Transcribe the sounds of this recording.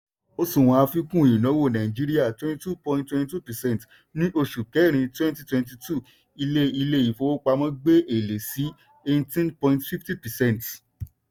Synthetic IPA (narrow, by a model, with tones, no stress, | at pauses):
o˦sũ˦˨w̃ɔ̃˧a˧fi˦kũ˦˨i˨nɔ̃˨˦wo˦˨nã˨ĩ˨d͡ʒi˦ɾi˦a˦˨twɛ̃˦ni˧tu˦˨pɔ̃˧ĩ˧ntwɛ̃˧nti˧tu˦pɛ˨sɛ̃˦˨n˨t | nĩ˦ʔo˧ʃu˨kɛ˨˦˨ɾ̃ĩ˧twɛ̃˦nti˦twɛ̃˧nt̬i˧tʰu˦˨ | i˧le˦i˧le˦˨i˨fo˧˦o˦k͡pa˧mɔ̃˦ɡ͡be˦ʔe˨le˨si˨˦ | e˧˦tĩ˦npɔ̃˧ĩntfi˦fti˦pɛ˨sɛ̃˦˨n˨t